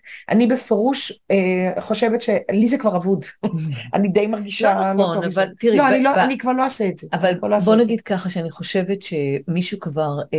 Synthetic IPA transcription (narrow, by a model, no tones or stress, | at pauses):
ʔa̰nibefeʁuʃeχo̞ʃe̞vetʃe̞lizekvaʁavuda̰nid̪ejmaʁɡiʃalonavalt̪iʁiloaniloanikvaʁlo̞aseetzeavalboloabbonaɡid̪̚kaχaʃeaniχo̞ʃe̞vetʃemiʃukvaʁ